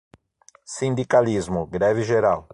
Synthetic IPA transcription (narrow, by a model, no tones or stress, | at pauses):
sĩnd̪ikalizmʊɡɾɛvɪʒeɾaw